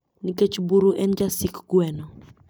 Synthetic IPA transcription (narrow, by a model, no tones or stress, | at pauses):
niket͡ʃbuɾuʔɛnd͡ʒasikɡwɛno